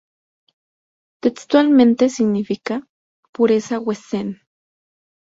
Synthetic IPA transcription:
t̪ekst̪walmẽnt̪esiɡnifika | puɾesawesen

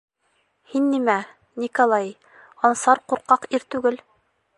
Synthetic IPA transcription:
hinːimæ | nʲikolˠɑj | ɒnsɑɾquɾqɑqiɾt̪ʉɡɘl

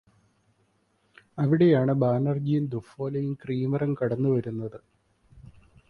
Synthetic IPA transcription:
ɐʋiɽe̞jaːɳɨbaːnɐrd͡ʑijund̪ufoːlɐjumkriːmɐrɐmkɐɽɐnːuʋɐɾunːɐðɨ

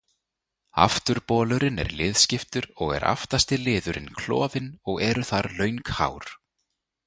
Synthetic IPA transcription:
a̰ft̪ʏɾpɔːlʏɾɪnɛ̰ɾlɪːðscɪft̪ʏɾɔɣɛ̰ɾa̰ft̪ast̪ɪlɪːðʏɾɪnkʰlɔ̰ːvɪnɔɣɛɾʏθaɾlœːɥŋkha̰ːwɾ̥

